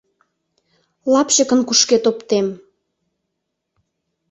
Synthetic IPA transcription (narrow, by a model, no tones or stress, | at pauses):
lɑpɕəkənkuʃket̪opt̪em